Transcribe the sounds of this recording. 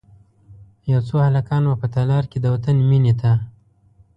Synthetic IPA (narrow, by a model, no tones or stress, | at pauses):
jawt͡sohalakɑnwapət̪alɑɾked̪əwat̪ənminet̪a